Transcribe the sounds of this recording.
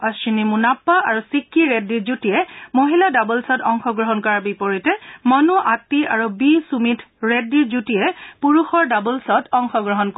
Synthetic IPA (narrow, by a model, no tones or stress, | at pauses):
asinimunapːaaɹusikʰːiɹɛdːiɹzutiɛmoɦiladabulsɔtɔŋxɔɡɹɔɦɔnkɔɹaɹbipɔɹitɛmɔnuʔatːiaɹubisumitʰɹɛdːiɹzutijɛpuɹuxɔɹdabɔlsɔtʰɔŋxɔɡɹɔɦɔnk